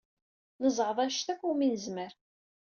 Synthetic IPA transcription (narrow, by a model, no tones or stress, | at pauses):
nəzˤʁəðˤæʃt̪ækʷːʊminəzməɾ